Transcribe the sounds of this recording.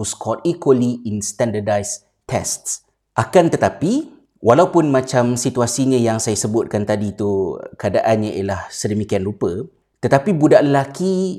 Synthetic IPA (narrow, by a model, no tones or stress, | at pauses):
uskʰɔt̚ikwəliinst̪ɛndədajs | t̪ʰɛst̪s | ʔakant̪ət̪api | wʔalaupʊnmãt͡ʃamsit̪uasiɲə̃jaŋsajasəbʊt̪̚kant̪adit̪ukəadaʔanɲaʔḭalahsədəmikianlupə | t̪ət̪apibudaʔləlaki